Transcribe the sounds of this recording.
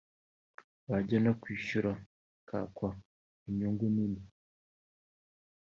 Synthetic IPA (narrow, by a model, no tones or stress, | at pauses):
βaɟanakwiːʃuɾa | kʰa̰kwa | iɲuːŋɡunini